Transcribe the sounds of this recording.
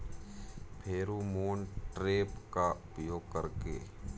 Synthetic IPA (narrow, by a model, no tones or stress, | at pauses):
pʰeːɾumuːnʈɾeːpkaʊpjoːɡkəɾkḛː